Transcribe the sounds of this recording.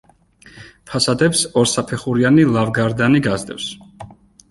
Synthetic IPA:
pʰasad̪ɛpsɔɾsapʰɛχuɾianilˠavɡaɾd̪aniɡazd̪ɛfs

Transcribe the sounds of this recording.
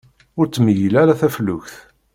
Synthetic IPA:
ʊɾt͡sːməjilæɾaθæflʊçθ

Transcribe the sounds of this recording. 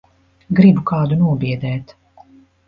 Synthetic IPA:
ɡɾibukaːd̪unuɔbiɛd̪ɛːt̪

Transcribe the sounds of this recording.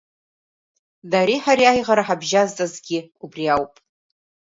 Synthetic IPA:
daɾiħaɾiajʁaɾaħabʒaztʼazɡʲɪubriawpʼ

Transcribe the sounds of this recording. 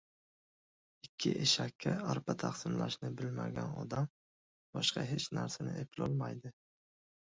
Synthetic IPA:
ɪkʲʰːɪ̰ʔeʃakʲʰːaaɾpʰat̪ʰaqsɪmlaʃnɪbɪlmaɡʲanɒ̰d̪am | bɒʃqʰɑɦe̞t͡ʃna̰ɾsanɪ̰epʰɪlɒlˠmajd̪ɪ

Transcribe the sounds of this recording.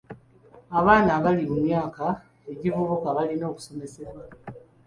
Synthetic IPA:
aβaːnaβalimumjaːka | e̞ɟivuβukaβalino̞ːku̥so̞me̞se̞βwa

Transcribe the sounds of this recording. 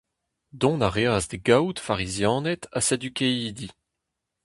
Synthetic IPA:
d̪ɔ̃naʁeazd̪eɡawt̪faʁizjɑ̃ːnɛt̪ased̪ykeiːd̪i

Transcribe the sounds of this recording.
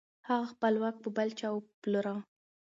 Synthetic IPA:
haɣaxpəlwak̚pəbalt͡ʃɑwploɾã

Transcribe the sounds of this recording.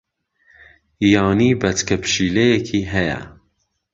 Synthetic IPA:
jɑːniːbɛt͡skʰɛpʃiːlɛjɛkʰiːɦɛjɛ̰

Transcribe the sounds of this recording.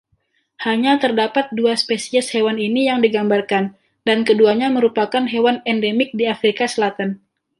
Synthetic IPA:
haɲat̪ərdapat̪̚duaspesiɛshewaninijaŋdiɡambarkan | dankəduaɲaməɾupakanɦewanɛndemɪk̚diafɾikasəlat̪an

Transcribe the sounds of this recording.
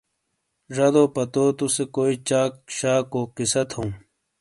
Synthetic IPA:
ʐɐd̪oːpɐt̪oːt̪usekoːit͡ɕaːkɕaːkoːkisɐt̪hõː

